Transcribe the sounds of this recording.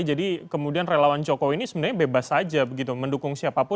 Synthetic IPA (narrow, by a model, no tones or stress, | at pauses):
d͡ʒadikəmudianrelawant͡ʃɔkɔinisəbənarɲabebasad͡ʒabəɡit̪uməndukʊŋsiapapʊ